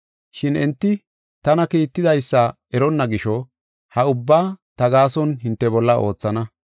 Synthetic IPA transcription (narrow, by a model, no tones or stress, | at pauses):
ʃɪnɛnt̪ːɪ | t̪ɐnɐkiːt̪ːɪd̪ɐjsːɐ | ɛɾɔnːɐɡɪʃɔ | hɐʊbːaːt̪ɐɡaːsɔnɦɪnt̪ːɛbɔlːɐʔo̞ːt͡sːɐnɐ